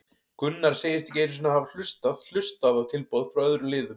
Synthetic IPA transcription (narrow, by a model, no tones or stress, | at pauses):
kʏnːaɾ̥seːjɪst̪ɛcejɾs̬ʏnahavl̥ʏst̪að̥l̥ʏst̪aðḁt̪ʰɪlpoːwðfɾɔœðɾʏlɪːðʏm